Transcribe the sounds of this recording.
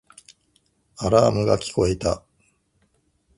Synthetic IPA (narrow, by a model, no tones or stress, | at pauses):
aɾaːmɯ̟ɡakʲi̥ko̞e̞t̪a